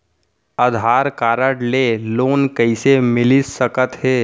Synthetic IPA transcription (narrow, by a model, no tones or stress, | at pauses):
əd̪ʱaːɾkaːɾəɽleːloːnkəɪsemɪlisəkət̪ɦeː